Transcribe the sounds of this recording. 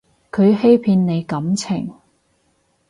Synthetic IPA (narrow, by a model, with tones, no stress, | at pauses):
kʰɵ˨˧ɥhe˥jpʰiː˧nne˨˧jkɐ˨˥mt͡sʰɪ˨˩ŋ